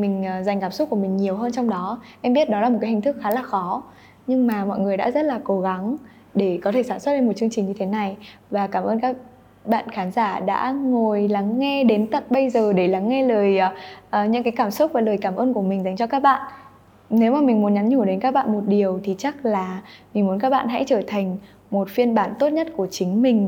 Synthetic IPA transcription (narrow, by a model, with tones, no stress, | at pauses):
mï˨˩ŋ̟ː˨˩za˨˩jŋ̟kaː˧˩msʊ˦˥ku˧˩əmï˨˩ŋ̟ɲi˨˩əwɦəː˧nt͡ɕɔ˧wŋ͡mɗɔ˨˦ʔɛ˧mɓi˦˥ət̚ɗɔ˨˦laː˨˩mo˨˩t̚kːa˨˦i˨˩ŋ̟t̪ɨ˦˥k̚xaː˨˦laː˨˩xɔ˨˦ | ɲɨ˧ŋmaː˨˩mɔ̰˧˨jŋɨ˨˩əjɗa̰ː˧˥zə˦˥t̚laː˨˩ko˨˦ɣa˨˦ŋ | ɗe˧˩kɔ˨˦t̪ʰe˧˩saː˧˩swə˦˥t̚ɗe˧nmo˨˩t̚t͡ɕɨ˧əŋt͡ɕï˨˩ŋ̟ɲɨ˧t̪ʰe˨˦na˨˩j | vaː˨˩kaː˧˩mʔəː˧nkaː˦˥k̚ | ɓa̰ː˧˨nxaː˨˦nzaː˧˩ɗa̰ː˧˥ŋo˨˩jla˨˦ŋːɛ˧ɗe˨˦nt̪ə̰˧˨t̚ɓə˧jzəː˨˩ɗe˧˩la˨˦ŋːɛ˧ləː˨˩jʔəː˨˩ɲɨ̰˧˥ŋkaː˨˦jkaː˧˩msʊ˦˥t̚vaː˨˩ləː˨˩jkaː˧˩mʔəː˧nku˧˩əmi˨˩ŋ̟za˨˦ŋ̟t͡ɕɔ˧kaː˦˥k̚ɓa̰ː˧˨nʔ | ne˨˦wmaː˨˩mï˨˩ŋ̟mu˨˦nɲa˨˦nɲu˧˩ɗe˨˦nkaː˦˥k̚ɓa̰ː˧˨nmo˨˩t̚ɗi˨˩əwt̪ʰi˨˩t͡ɕa˦˥k̚laː˨˩mi̟˨˩mu˨˦ə˦nkaː˦˥k̚ɓa̰ː˧˨nɦa̰˧˥t͡ɕəː˧˩t̪ʰa˨˩jŋ̟ | mo˨˩t̚fi˧ənɓaː˧˩nt̪o˦˥t̚ɲə˦˥t̚ku˧˩ət͡ɕï˨˦ŋ̟mï˨˩ŋ̟